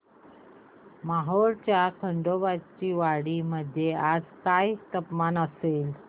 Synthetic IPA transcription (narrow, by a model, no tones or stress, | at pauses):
maɦoɾt͡ɕjakʰəɳɖoʋat͡ɕiːʋaɽiməd̪ʱːjead͡zkajt̪əpmanəsel